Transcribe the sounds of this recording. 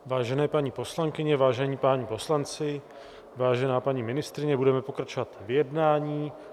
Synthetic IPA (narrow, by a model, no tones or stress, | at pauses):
vaːʒɛnɛːpaɲiːpo̞slaŋkɪɲɛvaːʒɛɲiːpaːɲipo̞slant͡sɪ | vaːʒɛnaːpaɲimɪnɪst̪ɾɪɲɛbudɛmɛpo̞kɾat͡ʃo̞vat̪vɪjɛdnaːɲiː